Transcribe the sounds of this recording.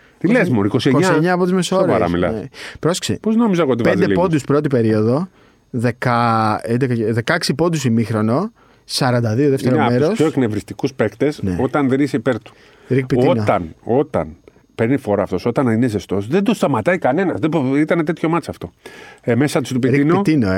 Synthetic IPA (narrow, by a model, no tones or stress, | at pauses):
t̪ileszmoɾikosiekɲseɲɐːpot̪izmesoɾeɐɐ̰milɐ̰epɾosksḭpozno̞mizɐeɣoot̪ipenepo̞d̪uspɾo̞t̪ipe̞ɾio̞ðo̞ | ðe̞kɐend̪ekɐðe̞kɐksipo̞d̪usimixɾo̞no̞ | sɐɾɐnd̪ɐðio̞ðeft̪eɾomeɾosçoeknevɾist̪ikuspekt̪e̞sneo̞t̪ɐnðeniseipeɾt̪u̥ | ɾikpit̪ionot̪ɐno̞t̪ɐ̰n | pe̞ɾnifo̞ɾɐːft̪o̞so̞t̪ɐninezest̪o̞sðed̪ost̪ɐmɐt̪ɐikɐne̞nɐzðebit̪ɐnet̪et̪ço̞mɐt͡sɐft̪o̞emesɐt̪i̥st̪upiɾiiknot̪inoe